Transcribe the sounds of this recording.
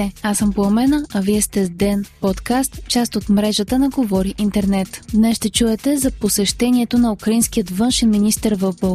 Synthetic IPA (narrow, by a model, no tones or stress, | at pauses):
ɛasəmpoɐmɛnəɐviɛst̪ɛd̪ɛnpɔt̪kast̪t͡ʃast̪ot̪mɾɛʒət̪ənɐɡovɔɾiʔint̪ɛɾnɛt̪d̪nɛsʃt̪ɛt͡ʃuɛt̪ɛzɐposɛʃt̪ɛniɛt̪onɐukɾɐinskijət̪vɤnʃɛnminist̪əɾvəvbə